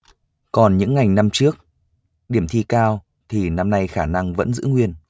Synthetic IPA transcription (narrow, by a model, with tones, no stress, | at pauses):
kɔ˨˩nɲɨ̰˧˥ŋːa˨˩jŋna˧mt͡ɕɨ˦˥ək̚ | ɗi˧˩əmt̪ʰi˧kaː˧w | t̪ʰi˨˩na˧mna˧jxaː˧˩na˧ŋvə̰˧˥nzɨ̰˧˥ŋwi˧ən